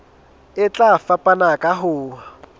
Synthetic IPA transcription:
ɪt͡ɬʼafapʼanakʼaɦʊːwa

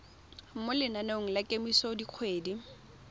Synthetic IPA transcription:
m̩mʊlɪnanoŋ̩lakʼemisɔdiq͡χʰweːdi

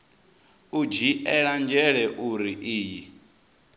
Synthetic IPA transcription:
ud͡ʒiʔɛɺand͡ʒɛɺɛʔuɾiʔiːji

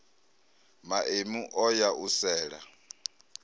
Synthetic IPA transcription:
maʔemuʔɔjaʔusɛːɺa

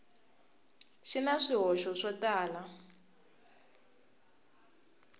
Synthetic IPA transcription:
ʃinaʂiɦɔʃɔʂɔtaːla

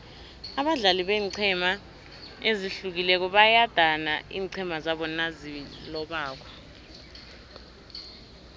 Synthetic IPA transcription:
aɓaɮaliɓeːǀʰɛma | eziɬuk̬ilɛk̬ɔɓajad̥ʱanaḭːǀʰɛmazaɓɔnazilɔɓaːk̬ɔ̥

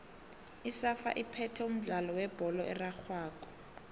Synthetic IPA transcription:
isafa̰ʔipʰɛtʰɛum̩ɮalɔwɛb̥ʱɔlɔʔɛraxʰwaːkɔ̥

